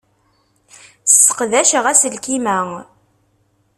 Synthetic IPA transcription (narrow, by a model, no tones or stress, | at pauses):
sə̥qðæʃəʁæsəlkimæ